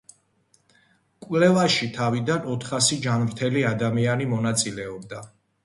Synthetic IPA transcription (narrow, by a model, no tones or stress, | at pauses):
kʼwvlɛvaʃit̪ʰavid̪anɔt̪ʰχasid͡ʒanmɾt̪ʰɛliad̪amianimɔnat̪sʼilɛɔbd̪a